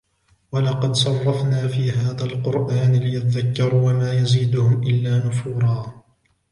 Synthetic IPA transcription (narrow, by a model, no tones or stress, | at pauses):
walɑqɑd̪sˤɑrˤːɑfnaːfiːɦaːðalqʊɾʔaːnlɪjat̪aðakːɑɾˤuːwamaːjaziːd̪ʊhʊmʔɪlːaːnʊfuːɾˤɑː